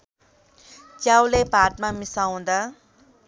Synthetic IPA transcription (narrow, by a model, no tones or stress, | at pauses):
t͡ʃjawlepaʈ̪mamisaw̃d̪a